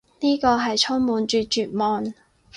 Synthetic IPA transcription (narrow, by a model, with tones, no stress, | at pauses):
niː˥kɔː˧ɦɐ˨jt͡sʰʊ˥ŋmuː˨˧nt͡ʃyː˨˧t͡ʃyː˨˩t̚mɔː˨n